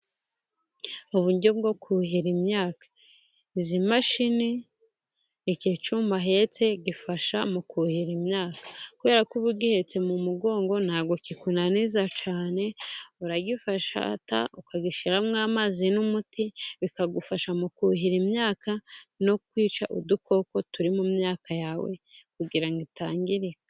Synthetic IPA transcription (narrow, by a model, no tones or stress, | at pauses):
uβuɲɟob̚ɡo̞kʰuɦiɾimɲaːkḁ | izimaʃini | iket͡ʃuːmbaɦe̞t͡se̞ɟifaʃamukuhiɾimɲaːkḁkuβe̞ːɾakuβuɾɡihe̞t͡se̞mumuɡo̞ːŋɡo̞nhaːɡo̞kikunaniːzat͡ʃaːne̞uɾaɡifaʃa̰ta̰ukaɡiʃiɾamŋaːmaːzinumutiβikaɡufaʃamukuɦiɾimɲaːkanokwiːt͡ʃaʔṵduko̞ko̞tuɾimumɲaːkajaːwḛkuɡiɾaŋɡitaːŋɡiɾiɡa